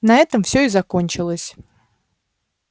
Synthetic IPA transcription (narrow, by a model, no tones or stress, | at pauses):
nɐɛt̪əmfsʲɵɪzɐko̞nʲt͡ɕɪlˠəsʲ